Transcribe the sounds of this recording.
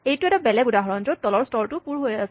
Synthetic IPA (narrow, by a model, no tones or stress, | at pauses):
ejtuɛtabɛlɛɡudaɦɔɹɔnzotːɔlɔɹstɔɹtupuɹɦojasɛ